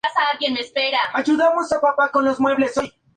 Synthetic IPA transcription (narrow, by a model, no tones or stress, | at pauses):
asaalɡjenmespeɾaaʝuðamo̞sapapako̞nlo̞zmwe̞βle̞soj